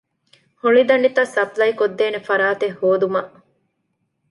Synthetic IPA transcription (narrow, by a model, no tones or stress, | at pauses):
huɭid̪ɐɳɖit̪ɐsɐplɐjkod̪ːeːnefɐɾaːt̪ehːoːd̪umɐʔ